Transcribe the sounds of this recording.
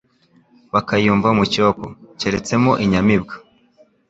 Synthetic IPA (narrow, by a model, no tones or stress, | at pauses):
βakajuːɱvamucoko̰ceɾe̞t͡se̞moʔiɲamibɡḁ